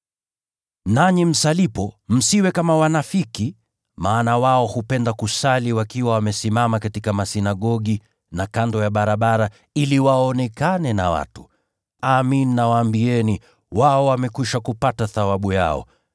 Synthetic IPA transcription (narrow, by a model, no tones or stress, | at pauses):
naɲim̩salipɔm̩siwɛkamawanafiki | maːnawaɔhupɛndakusaliwakiwawamɛsimamakatikamasinaɠɔɠi | nakandɔjaɓaɾaɓaɾa | iliwaɔnɛkanɛna̰wa̰tu̥ | amininawaːmbiɛni | waɔwamɛkuʃakupataθawaɓuja̰ɔ̰